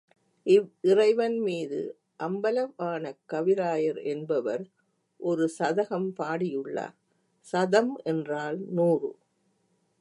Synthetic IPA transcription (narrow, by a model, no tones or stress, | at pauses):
ʔɪʋɪrɐɪʋɐnmiːðɯ̰ | ʔɐmbɐlɐʋaːnɐkːɐʋɪɾaːjɐɾɛnbɐʋɐɾ | ʔɔɾɯsɐðɐɣɐmpaːɽɪjɯɭːɐ̰ | sɐðɐmɛndraːlnuːrɯ̰